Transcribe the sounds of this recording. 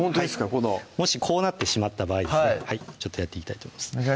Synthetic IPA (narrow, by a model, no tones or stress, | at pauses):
ont̪od̪esɨ̥kakonomo̞ɕikʰo̞ːnat̪ːe̞ɕimat̪ːabaːid̪esiehait͡ɕo̞t̪ːojat̪ːeikʲit̪ait̪oːmoimasɨ̥